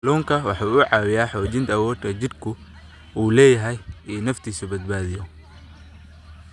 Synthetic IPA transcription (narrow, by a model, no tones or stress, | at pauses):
lɔːŋkʰɐwɑħɑːʊʕɑːwɪjaːħɔːt͡ʃɪnt̪ʰɐwɔːd̪kʰɐt͡ʃɪd̪kʰʊ | uːlɛːjɐɦɛjɛːnɐft̪ʰiːsʊbɐd̪̚baːðɪjɔ